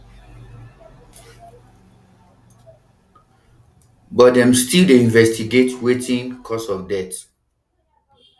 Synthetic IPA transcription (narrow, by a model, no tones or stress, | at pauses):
bɔtdɛ̃mstildeĩnvɛstiɡetwetʰĩŋkʰɔsɔfdɛt